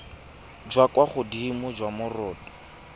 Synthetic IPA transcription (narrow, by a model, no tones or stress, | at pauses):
d͡ʒwakwaχʊdimʊd͡ʒwamʊrɔːdɔ